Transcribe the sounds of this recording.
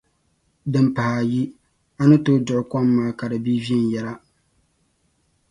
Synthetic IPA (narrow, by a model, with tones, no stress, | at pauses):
dɨ˨mpa˨ha˨ji˦ | a˦nɨ˦toː˦dʊ˨ʔʊ˨kɔ˦mːaː˦ka˨dɨ˨bi˦vi˦ɛ˦˨n˨jɛ˦la˦